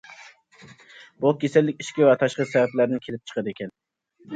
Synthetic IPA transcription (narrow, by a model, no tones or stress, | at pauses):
bukʲʰesɛlːɪkʲiʃkʲiwɛt̪ʰɑʃqəsɛvɛplæɾnɪnkʲʰelɪp̚t͡ʃʰə̥qəd̪ɨekʲɛn